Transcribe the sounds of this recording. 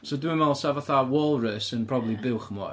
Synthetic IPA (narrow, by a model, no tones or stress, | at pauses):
soduənmɛlˠsavaθawɔlˠrəsənpʰrɔblˠibɪwχəmɔ̰